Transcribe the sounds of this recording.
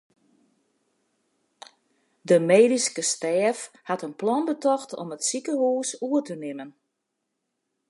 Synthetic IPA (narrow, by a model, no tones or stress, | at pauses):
dəmeːdiskəstɛːfhatənplɔnbətɔxtʰɔ̰mətsikəhuːsuətənɪmən